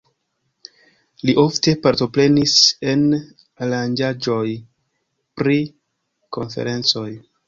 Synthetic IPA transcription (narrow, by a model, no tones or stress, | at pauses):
liʔo̞fte̞paɾto̞pɾe̞nise̞n | aland͡ʒad͡ʒo̞j | pɾi | ko̞̰nfe̞̰ɾe̞nt͡so̞j